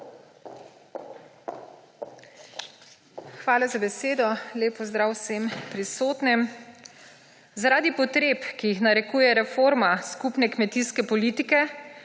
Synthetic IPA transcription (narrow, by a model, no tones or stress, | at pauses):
xʋaːlazabɛseːd̪ɔleːpɔzd̪ɾaːwsempɾisoːt̪nɛm | zaɾaːd̪ipɔt̪ɾeːpkijixnaɾɛkuːjɛɾɛfoɾmaskupnɛkmɛt̪iskɛpɔliːt̪ikɛ